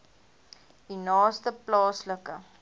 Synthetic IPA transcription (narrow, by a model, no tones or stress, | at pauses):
dinɑːstəplɑːsləkə